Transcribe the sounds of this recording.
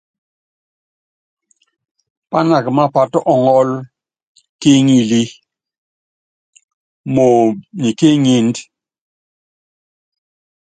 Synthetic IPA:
pa˦na˨kma˦pa˨tɔ˦ʔɔ˨ŋɔ˦l | ke˦ŋi˨li˦ | mo˨ɲi˨ke˦ɲi˨nd

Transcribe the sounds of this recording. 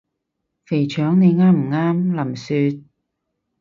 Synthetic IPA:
fe˨˩jt͡ʃʰœː˨˥ŋne˨˧jŋaː˥m̩˨˩ŋaː˥mlɐ˨˩msyː˧t̪̚

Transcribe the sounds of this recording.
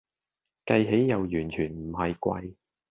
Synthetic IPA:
kɐ˧jɦe˨˥jːɐ˨wjyː˨˩nt͡ʃʰyː˨˩nm̩˨˩ɦɐ˨jkʷɐ̰˧j

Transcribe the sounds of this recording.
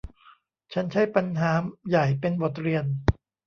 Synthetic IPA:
t͡ɕʰa˦˥nt͡ɕʰa˦˥jpa˧nɦaː˩˦mja˨˩jpe˧nbo˨˩t̪̚ɾi˧ən

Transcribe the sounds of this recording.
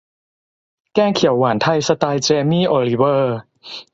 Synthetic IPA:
kɛː˥˩ŋkʰi˩˦wːa˩˦nt̪ʰa˧jsa˧t̪aː˧jt͡ɕeː˧miː˥˩ʔoː˧li˦˥wɤː˧˩

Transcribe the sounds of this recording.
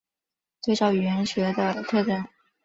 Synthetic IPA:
t͡swe˥ɪʈ͡ʂɑ˥ʊy˨˩ɥɛ˧˥nɕɥɛ˧˥d̪ə˧t̪ʰɤ˥˧ʈ͡ʂə˥˩n

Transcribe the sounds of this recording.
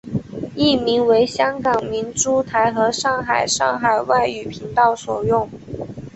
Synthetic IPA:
i˥˩mi˧˥ŋwe˧˥ɪɕjɑ˥ŋkɑ˨˩ŋmi˧˥nʈ͡ʂu˥t̪ʰa˧˥ɪxɤ˧˥ʂɑ˥˩ŋxa˨˩ɪʂɑ˥˩ŋxa˨˩ɪwa˥˩ɪy˨˩pʰi˧˥ŋt̪ɑ˥˩ʊswɔ˨˩jʊ˥˩ŋ

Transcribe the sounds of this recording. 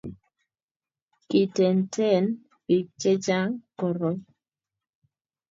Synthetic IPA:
ki˨tɛ˨ntʰɛ˦˨n | pi˨k̚t͡ʃɛ˦d͡ʒa˦ŋkɔ˨ɾɔ˨˦

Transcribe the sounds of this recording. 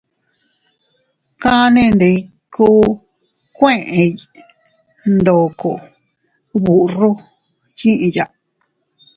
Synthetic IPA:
kã˦nẽ˦˧˨nde˧ | kuː˦ | kʷẽ˦ʔẽ˧ | nd̪o˨ko˨ | βu˨ʔru˦ | jĩ˦ʔĩ˧ja˨˧ʔ

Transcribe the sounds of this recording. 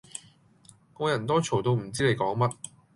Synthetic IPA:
kɔː˧jɐ˨˩nt̪ɔː˥t͡ʃʰo˨˩wt̪o˧wm̩˨˩t͡siː˥ne˨˧jkɔː˨˥ŋmɐ˥t̚

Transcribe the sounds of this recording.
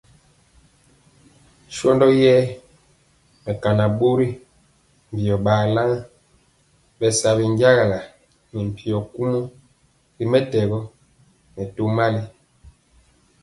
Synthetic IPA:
ʃɔ˦ndɔ˦jɛ˦ | mɛ˨ka˨na˨bo˦ɾi˦ | m̩˨bi˨ɔ˨baː˨la˦ŋ˦ | bɛ˨sa˨βi˨ŋ˦ɟja˦ɣa˨la˨ | ni˨m˨pi˨ɔ˨ku˦mu˦ | ɾi˦mɛ˦tɛ˨ɣɔ˦ | mɛ˨to˦ma˦li˦

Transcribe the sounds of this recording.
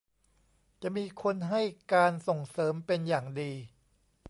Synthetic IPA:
t͡ɕa˨˩ʔmiː˧kʰo˧nɦa˥˩jkaː˧nso˨˩ŋsɤː˩˦mpe˧njaː˨˩ŋdiː˧

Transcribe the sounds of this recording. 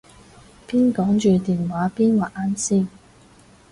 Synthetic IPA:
piː˥nkɔː˨˥ŋt͡ʃyː˨t̪iː˨nwaː˨˥piː˥nwaː˨ʔʔaː˨˥nsiː˥˩

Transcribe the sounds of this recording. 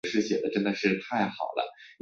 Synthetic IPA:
ʂɻ̩˥˩ɕjɛ˨˩d̪ə˦ʈ͡ʂə˥nd̪ə˨ʂɻ̩˥˧t̪ʰa˥˩ɪxɑ˨˩ʊlə̰˦

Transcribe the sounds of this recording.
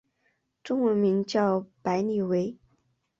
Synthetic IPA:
ʈ͡ʂʊ˥ŋwə˧˥nmi˧˥ŋt͡ɕjɑ˥˩ʊpa˧˥ɪni˨˩we˧˥ɪ

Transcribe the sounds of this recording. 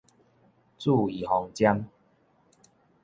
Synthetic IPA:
t͡su˥˧i˨˩hɔ˨˩ŋt͡ɕja˦m

